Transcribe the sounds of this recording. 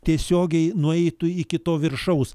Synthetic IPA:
t̪ʲiɛsʲoːɡʲɛɪnʊɛɪt̪ʊɪkʲɪt̪oːʋʲɪɾʃɐʊs

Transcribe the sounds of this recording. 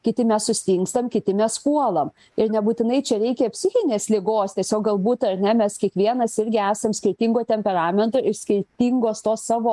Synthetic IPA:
kʲɪt̪ʲɪmʲɛssʊsʲt̪ʲiŋkst̪ɐmkʲɪt̪ʲɪmʲɛspuɔlˠɐm | ɪɾnʲɛbuːt̪ʲɪnɐɪt͡ʃʲɛɾʲɛɪkʲɛːpʲsʲɪxʲɪnʲeːslʲɪɡoːst̪ʲiɛsʲoːk̚ɡɐlˠbuːt̪ɐɾʲnʲɛmʲɛskʲiɛkʋʲiɛnɐsɪɾʲɡʲɪæːsɐmsʲkʲɪɾʲt̪ʲiːŋɡoːt̪ʲɛmʲpʲɛɾɑːmʲɛnt̪oːʔɪʃsʲkʲɪɾʲt̪ʲiːŋɡoːst̪oːssɑːʋoː

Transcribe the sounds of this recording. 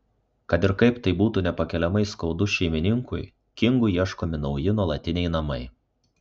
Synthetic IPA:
kɐt̪ɪɾkɐɪpt̪ɐɪbuːt̪unʲɛpɐkʲɛlʲɛmɐɪskɒʊd̪ʊʃʲɛɪmʲɪnʲɪŋkʊj | kʲɪŋɡʊiɛʃkoːmʲɪnɒʊjɪnuɔlˠɐt̪ʲɪnʲɛɪnɐmɐɪ

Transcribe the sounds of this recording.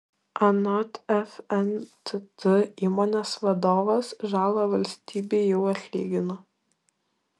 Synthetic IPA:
ɐnɔt̪ɛfɛnt̪ʲɨt̪ɨiːmonʲesʋɐd̪oːʋɐsʒɑːlˠɐʋɐlʲsʲt̪ʲiːbʲejɛʊɐt̪ʲlʲḭːɡʲɪnɐ

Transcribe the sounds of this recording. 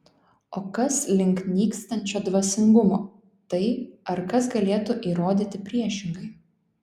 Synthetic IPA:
oːkɐslʲɪŋknʲiːkst̪ɐnʲt͡ʃʲoːd̪ʋɐsʲɪŋɡʊmoː | t̪ɐɪɐɾkɐsɡɐlʲeːt̪ʊʔiːɾoːd̪ʲiːt̪ʲɪpʲɾʲiɛʃʲɪŋɡɐɪ

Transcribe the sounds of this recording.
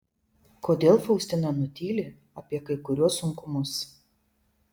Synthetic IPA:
koːd̪ʲeːlˠfɐʊsʲt̪ʲɪnʲɐnʊt̪ʲiːlʲɪ | ɐpʲiɛkɐɪkʊɾʲuɔsːʊŋkʊmʊs

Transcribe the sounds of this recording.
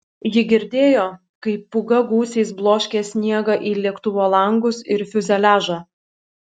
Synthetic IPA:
jɪɡʲɪɾʲd̪ʲeːjoː | kɐɪpːʊɡɐɡuːsʲɛɪsblˠoːʃʲkʲeːsʲnʲiɛɡɐʔiːlʲiɛkt̪ʊʋoːlˠɐŋɡʊsɪɾfʲʊzʲɛlʲæːʒɑː

